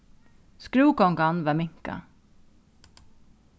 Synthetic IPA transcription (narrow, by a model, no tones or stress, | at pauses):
skɾuːkɔŋɡanʋamɪŋka̰